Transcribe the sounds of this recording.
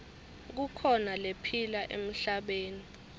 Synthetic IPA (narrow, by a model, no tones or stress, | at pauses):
k̬ukʰɔnalepʰilaʔḛm̩ɬaɓeːni